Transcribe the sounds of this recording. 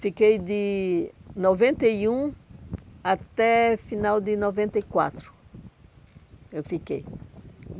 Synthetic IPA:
fikejd̪ɪ | novẽnt̪ɐjũ | at̪ɛfinawd̪ɪnovẽnt̪ɐijkwa̰t̪ɾʊ | ewfikḛj

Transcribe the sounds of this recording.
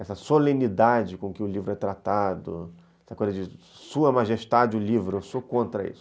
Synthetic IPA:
ɛsɐsolẽnid̪ad͡ʒɪkõkɪʊlivɾʊɛt̪ɾat̪ad̪ʊ̰ | ɛsɐkojzɐd͡ʒɪ | suɐmaʒeʃt̪ad͡ʒɪʊlivɾʊewsokõnt̪ɾɐḭsʊ̥

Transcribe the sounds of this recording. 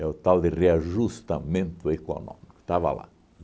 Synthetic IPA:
ɛʊt̪awd̪ɪreaʒust̪amẽnt̪ʊeko̰nõ̰mikʊ̥t̪ava̰la̰

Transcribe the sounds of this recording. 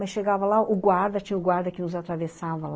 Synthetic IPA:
mɐsʃeɡavɐlaʊɡwaɾd̪ɐt͡ʃĩɲɐʊɡwaɾd̪ɐkɪnʊzat̪ɾavesavɐl

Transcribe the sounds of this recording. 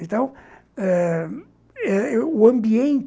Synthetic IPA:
ẽnt̪ɐ̃w̃ɛ | ɛuɐ̃mbiẽnt̪

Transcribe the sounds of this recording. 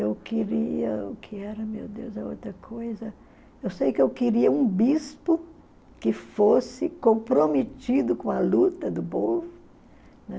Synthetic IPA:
ewkiɾiɐ̰ʊkʰɪɛɾɐmewd̪ewzɐo̰wt̪ɾɐkʰojzɐ | ewsejʊkewkɪɾiɐũbispʊ | kɪfosɪkõpɾomet̪id̪ʊkõɐlut̪ɐd̪ʊpovʊ | nɛ

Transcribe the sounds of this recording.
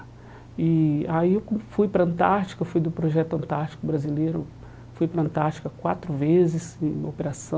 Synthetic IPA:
ɪaiewkõfujpɾɐɐ̃nt̪aɾt͡ʃi̥kɐfujd̪ʊpɾoʒɛt̪ʊɐ̃nt̪aɾt͡ʃi̥kʊbɾazilejɾʊ | fujpɾɐɐ̃nt̪aɾt͡ʃi̥kɐkwat̪ɾʊvezɪsẽj̃opeɾasɐ̃

